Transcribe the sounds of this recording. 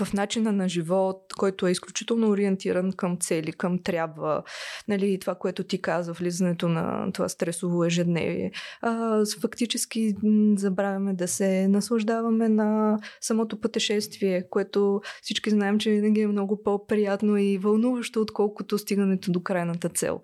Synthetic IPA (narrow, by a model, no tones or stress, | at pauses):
vɐfnat͡ʃinənɐʒivɔt̪kɔjt̪oɛisklʲut͡ʃit̪ɛlˠnoːɾiɛnt̪iɾənkəmt̪sɛlikəmt̪ɾʲjabvə̰nɐlit̪ovakoɛt̪ot̪ikazvəvlizɐnɛt̪onɐ̰t̪ova̰st̪ɾɛsovoɛʒɛd̪nɛ̰vḭɛ̰ | fɐkt̪it͡ʃɛsk̟izɐbɾavʲɐmɛd̪ɐsɛnɐslˠɐʒd̪avɐmɛnɐsɐmɔt̪opət̪ɛʃɛst̪viɛkoɛt̪osit͡ʃkiznaɛmt͡ʃɛvinɐɡʲiɛmnɔɡʊpopɾijat̪noivɐlˠnuvəʃt̪oːt̪kɔlˠkot̪ost̪iɡənɛt̪od̪okɾajnət̪ət̪sɛ̰lˠ